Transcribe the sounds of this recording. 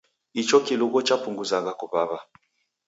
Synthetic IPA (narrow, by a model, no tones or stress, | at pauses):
it͡ʃɔkiluɡɔt͡ʃapuŋɡuzaŋɡakupaβa